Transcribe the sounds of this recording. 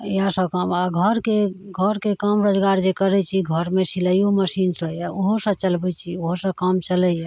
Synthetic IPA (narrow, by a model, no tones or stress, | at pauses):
jasə̃kəmaɡʱəɾkeɡʱəɾkekəmɾod͡ʒɡaɾd͡ʒekəɾɛt͡ʃʰiɡʱəɾmesiləjoməsinsə̃jɛoɦosə̃t͡ʃəlbɛt͡ʃʰioɦosə̃kəmt͡ʃəlɛjɛ